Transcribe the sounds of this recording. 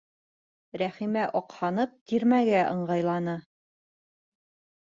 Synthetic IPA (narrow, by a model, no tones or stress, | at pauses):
ɾæχimæʔɒqhɑnɤp̚t̪iɾmæɡæʔɤ̆ɴɢɑjlˠɑnɤ